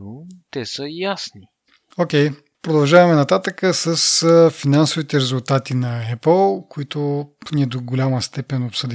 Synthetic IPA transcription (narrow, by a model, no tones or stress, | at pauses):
ot̪ɛsəjasni | ok̟ʲɛj | pɾod̪ɐlˠʒavɐmɛnɐt̪at̪əkəsəsəfinansʊvit̪ɛɾɛzulˠt̪at̪inɐɛpəlˠkoit̪ʊniɛd̪oɡolʲaməst̪ɛpɛnopsɤd̪i